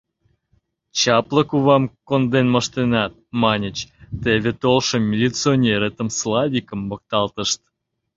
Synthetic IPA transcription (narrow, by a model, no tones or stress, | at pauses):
t͡ɕɑpləkuβɑmkond̪enmə̆ʃt̪enɑt̪̚mɑnʲət͡ɕt̪eβʲet̪olʃəmːʲilʲit͡sɨonʲeɾet̪əmslˠɑvʲikəmːok̚t̪ɑlt̪ə̆ʃt̪